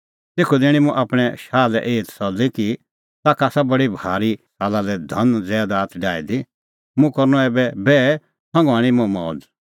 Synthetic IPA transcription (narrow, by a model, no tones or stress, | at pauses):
t̪eːkʰud̪ɪɽ̃ĩmũʔaːpɽ̃ɛʃaːlɛʔeːt̪sɔd͡ziki | t̪aːkaːsabɐɽibʱaːɾiʃaːlalɛd̪ʱɐnd͡zɛːd̪aːt̪ʰɖaːid̪i | mũkɐɾnɔ̃ɛːbɛbɛː | sʰɐ̃ŋɡaːɽ̃imɔ̃mɔ̰ːd